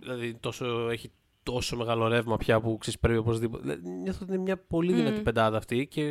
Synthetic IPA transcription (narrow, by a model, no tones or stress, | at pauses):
ðilɐðint̪o̞soeçi | t̪o̞so̞me̞ɣɐlo̞ɾe̞vmɐpçɐpuksei̥spɾevio̞po̞zðipot̪lɐ̰ðiɲoθot̪inemɲɐpo̞liðinɐt̪ipe̞nd̪ɐðɐːft̪ice̞